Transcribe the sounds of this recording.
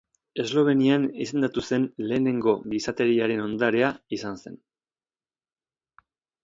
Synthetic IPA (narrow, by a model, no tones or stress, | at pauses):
e̞zlo̞β̞e̞nianise̞nd̪at̪use̞nle̞ːne̞ŋɡo̞ɡisat̪e̞ɾiaɾe̞no̞nd̪aɾe̞aisanse̞̰n